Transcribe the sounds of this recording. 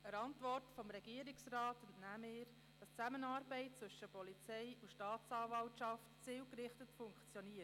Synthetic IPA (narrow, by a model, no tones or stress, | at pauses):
əɾɑntʋɔrtfɔmɾɛɡ̥iəɾɪksrɑːtntnæmɪːɾ | d̥ɑst͡sæmənɑːɾbɛɪt̚t͡sʋɵʃəpɔlit͡sɛɪuʃtɑːtt͡sɑːvɑltʃɑftt͡siːwkɾɪχtətfʊŋkt͡sjɔniə